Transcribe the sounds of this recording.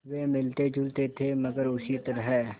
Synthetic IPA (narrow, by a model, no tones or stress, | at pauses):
ʋemɪlt̪ed͡ʒʱʊlt̪et̪ʰemɐɡəɾʊsit̪əɾəɦɛː